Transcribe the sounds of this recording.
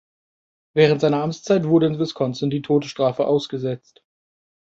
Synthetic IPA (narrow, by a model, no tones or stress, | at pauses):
vɛːʁ̞əntz̥aɪnɐʔamt͡st͡saɪtv̥ʊɐɾəɪnvɪskʰɔnsəndiːtʰoːtə̥ʃtʁ̥aːfəʔaʊsɡ̥əzɛt͡st